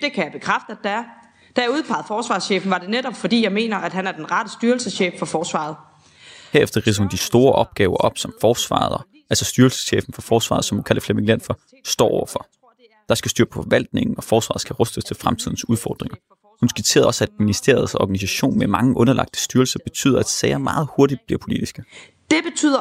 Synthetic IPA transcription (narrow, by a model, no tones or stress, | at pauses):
d̥e̝kʰæjäb̥e̝kʰʁafd̥ə̥æɐ | d̥æjauðˠpʰɑ̈ɪð̩ˠfɒːsʋɑ̈ːsɕeːfn̩ʋɑ̈d̥e̝neɾɒb̥fɒ̽d̥ḭːjɑ̈ɪme̝̰ːnɐæd̥ɦænæɐd̥enʁɑd̥əsd̥yɐl̩səsɕeːffɒ̽fɒːsʋɑ̰̈ːð̞̩ˠ | heɐefd̥ɐʁisəhund̥isd̥o̝ːɐʔɒ̽b̥ɡ̥ɛːʊɐʔɒ̽b̥sɒ̽mfɒːsʋɑ̰̈ːðˠ | ʔælsɒ̽sd̥yɐlsə̥sɕḛːfn̩fɒ̽fɒːsʋɑ̰̈ːð̞̩ˠsɒ̽md̥ukʰæl̰əflemeŋlen̰fɒ | sd̥ɒ̰ːɒʊɐfɒ̽ | d̥ɑ̈sɡ̥æsd̥yːɐpʰɔ̽fɒ̽ʋæl̰d̥ne̝ŋn̩ɒ̽fɒːsʋɑ̈ðˠsɡ̥æʁɔsd̥əst͡sʰe̝lfʁamt͡sʰiðˠn̩suð̞ˠfɒ̰ːd̥ʁeŋɐ | hunsɡ̥it͡sʰe̝̰ɐð̩ˠɒ̽sæd̥minisd̥e̝̰ːɐð̞̩ˠsɒ̰ɡ̥ænis̬æɕo̝̰ːnmemɑ̈ŋəʔɔ̽nɐlʔɑ̈ɡ̥̚d̥ə̥sd̥yɐlsɐb̥e̝t͡sʰy̰ːð̰ˠɐæd̥sɛɪɐmɑ̈ːð̞̩ˠho̝ɐd̥id̥̚b̥liɐpʰo̝lid̥isɡ̥ə | d̥e̝b̥e̝t͡sʰy̰ðˠɐ